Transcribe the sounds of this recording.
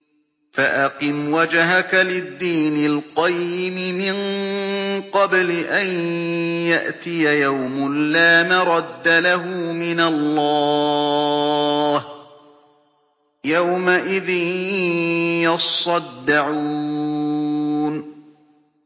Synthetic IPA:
faʔɑqɨmwad͡ʒɦakalɪd̪ːiːnɪlqɑjːɪmɪmɪn | qɑblɪʔanjaʔt̪ɪjajawmʊnlaːmaɾˤɑd̪ːalaɦʊmɪnalːɑː | h | jawmaʔɪðɪn | jɑsˤɑd̪ːɪʕuː | n

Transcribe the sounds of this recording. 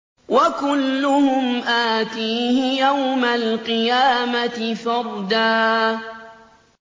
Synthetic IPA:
wakʊlːʊhʊmʔaːt̪iːhɪjawmalqɨjaːmat̪ɪfɑɾˤd̪aː

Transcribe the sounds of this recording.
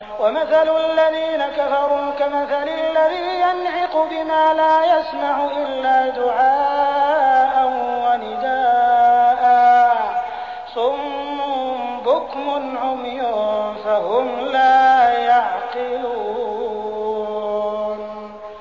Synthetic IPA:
wamaθalʊalːaðiːnakafɑɾˤuːkamaθalɪalːaðiːjanʕɪqʊbɪmaːlaːjasmaʕʊʔɪlːaːd̪ʊʕaːʔʔanwanɪd̪aːʔa | sʊmː | bʊkmʊnʕʊmjuːnfahʊmlaːjaʕqɨlu | n

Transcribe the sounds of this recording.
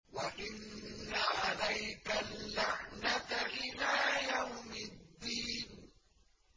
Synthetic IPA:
waʔɪnːaʕalajkalːaʕnat̪aʔɪlaːjawmɪd̪ːiːn

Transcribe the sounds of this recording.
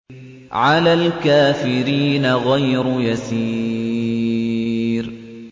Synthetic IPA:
ʕalaːlkaːfɪɾiːnaɣajɾʊjasiː | ɾ

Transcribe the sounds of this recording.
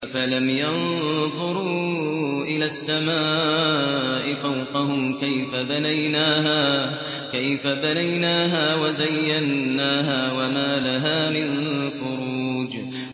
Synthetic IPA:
falamjanðˤʊɾuːʔɪlaːsːamaː | ʔɪfawqɑɦʊmkajfabanajnaːɦaː | kajfabanajnaːɦaːwazajːanːaːɦaːwamaːlaɦaːmɪnfʊɾuːd͡ʒ

